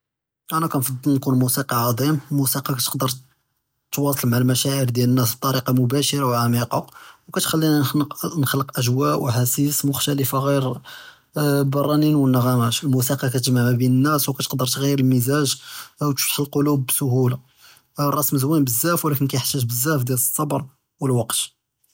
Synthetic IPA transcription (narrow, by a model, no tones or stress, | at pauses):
ʔænækænfɑd̪ˤːnkunmusiqɑʕɑd̪ˤimlmusiqɑkæt̪ə̥qd̪əɾˤ | t̪wɑsˤlmaʕlmæʃæʔəɾd̪jælənːæsb̚t̪ˤːɑɾiqɑmʊbæʃəɾɑwʕamiqɑwkæt̪xælːinnxləqʔəʒwæʔwħasismʊxt̪æləfaɣiɾ | bɑrˤːɑninwənːəɣæmæʃəlmusiqɑkæt̪əʒmaʕmæbinənːæswkæt̪ə̥qd̪əɾt̪ɣijːəɾəlmizæʒwt̪t̪ħəlqolubːsʊhula | rˤɑsməzwinbəzːæfwlækənkæjħt̪ːæʒbəzːæfd̪jæləsˤːɑbɾˤ | wəlwɑqt̪